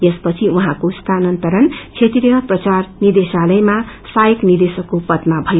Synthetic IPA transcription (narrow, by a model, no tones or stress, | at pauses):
jespʌt͡sʰiuɦãkost̪ʰanʌnt̪ʌɾʌnkʰet̪irjʌprʌt͡sarnid̪esalʌjma | sajeknid̪esʌkːopʌt̪mabʱʌjo